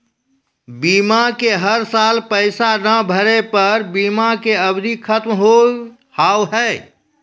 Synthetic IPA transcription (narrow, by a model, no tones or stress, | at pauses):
biːmakeɦəɾsaːlpəɪsanəbʱəɾepəɾbiːmakeəbd̪ʱikʰət̪mɦo | haːwɦɛː